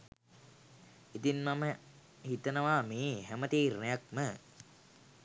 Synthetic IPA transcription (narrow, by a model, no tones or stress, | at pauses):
it̪inmamə | hit̪ənəʋaːmeːɦæmət̪iːɾunejak̚mə